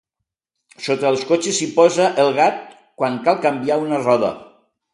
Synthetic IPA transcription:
sot̪əːlˠskot͡ʃesipɔzəʔəlˠɣat̪̚ | kwaŋkalˠkəmbiaunərɔðə̰

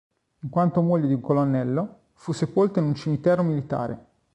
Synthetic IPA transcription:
iŋkwant̪omoʎːod̪iuŋkolonːɛlːo | fusepolt̪oinunt͡ʃimit̪ɛːɾomilit̪a̰ːɾḛ

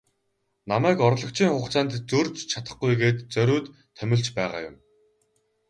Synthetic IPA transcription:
namæːkɔɾ̆ɮɞ̆kt͡ɕʰiːŋχʊːχt͡saːnt̪t͡sɵrt͡ɕt͡ɕʰat̪ə̥̆χɡujɡeːt̪t͡sœɾʲʊːt̪ʰːœmʲɪ̆ɮt͡ɕpæːʁa̰ːjʊ̰m

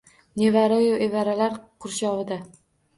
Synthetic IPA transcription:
nevaɾajoevaɾalaɾqʰʊɾʃɒvɪd̪a

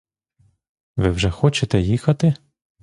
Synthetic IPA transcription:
ʋɪwʒɛxɔt͡ʃet̪ɛjixɐt̪ɪ

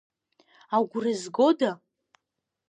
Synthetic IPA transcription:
awɡʷurɨzɡo̞da

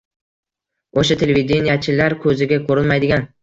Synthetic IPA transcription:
oʃat̪ʰe̞levʲid̪ʲenijat͡ʃʰɪlaɾkʲʰɵzɪɡʲakʰɵɾɪlmajd̪ɪɡʲan

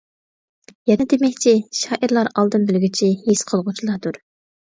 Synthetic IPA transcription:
jɛnɛd̪emɛkʲt͡ʃʰiʃɑːʔiɾlˠɑɾɑlˠd̪ɨnbylɡʲit͡ʃʰihesqʰəlˠʁʊt͡ʃʰilˠɑd̪uɾ

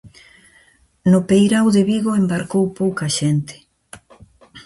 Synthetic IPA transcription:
nʊpejɾawðeβiɣoembaɾkowpowkaʃent̪ɪ̥

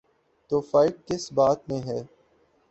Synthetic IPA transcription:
t̪oːfaːɪʈ̚kɪsbaːt̪mẽɦɛː

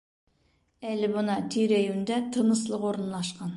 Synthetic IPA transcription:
ælɪbʊnɑt̪ʰyɾæjund̪ɛt̪ʰənəslˠəqoɾənlˠɑʃqɑn

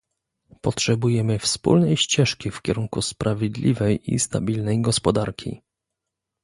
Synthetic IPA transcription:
pɔtʂɛbujɛmɘfspṵlnɛjɕt͡ɕɛʂkʲifkʲɛɾuŋkuspɾʔavʲjed̪lʲivɛjʔḭst̪a̰bʲilnɛjɡɔspɔd̪aɾkʲʰḭ

